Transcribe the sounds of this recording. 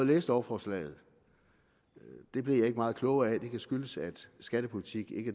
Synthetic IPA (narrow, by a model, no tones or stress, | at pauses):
ð̩ˠleːsd̥ɒʊɐfɒːslɛ̰ːɪð̩ˠ | d̥e̝b̥lijɑ̈e̝ɡ̥əmɑ̈ːð̞̩ˠkʰlɔ̽ʊæd̥e̝kʰæsɡ̥yləsæd̥sɡ̥æd̥əpʰo̝lit͡sʰiɡ̥e̝ɡ̥ə